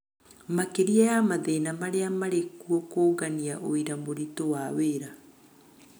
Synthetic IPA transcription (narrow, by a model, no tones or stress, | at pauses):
makeɾiajamaðenamaɾeamaɾekuɔkoːɣaniaʔoiɾamoɾitowaweɾa